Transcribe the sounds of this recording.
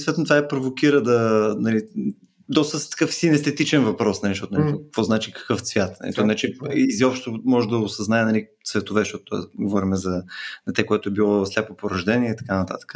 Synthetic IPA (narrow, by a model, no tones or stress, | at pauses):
isvɛt̪not̪vaɛpɾovokiɾəd̪ɐnɐli | d̪ɔst̪ət̪ə̥kɤfsinɛst̪ɛt̪it͡ʃɛnvɐpɾɔsnɐliʃt̪ɔt̪ʊnɐlkvɔznat͡ʃikə̥kɤft̪svʲjat̪nɐ̰lḭt̪ɔnait͡ʃiiziɔpʃt̪omɔʒɛd̪ɐʊsɐznaɛnɐlit̪svɛt̪ovɛʃt̪ɔt̪ʊ̥t̪ːɔ̰ɛ̰ɡovɔɾʲimɛzɐnɐt̪ɛkoɛt̪ʊɛbilˠɔslʲapopoɾɐʒd̪ɛniɛit̪ɐ̥kanət̪a̰t̪ə̥kə̥